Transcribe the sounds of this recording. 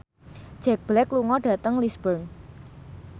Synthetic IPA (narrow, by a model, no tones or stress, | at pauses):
ʒ̥ɛk̚b̥lɛkluŋɔɖ̥ä̤t̪əŋlisb̥ərn